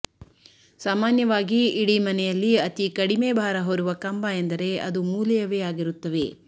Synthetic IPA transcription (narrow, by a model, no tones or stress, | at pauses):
saːmaːnjɐʋaːɡiːɽimɐnɛjɐlːiɐt̪ikɐɽimebʱaːɾɐɦoɾuʋɐkɐmbɐend̪ɐɾe̞ɐ̰d̪umuːlɐjɐʋejaːɡiɾut̪ːɐʋe̞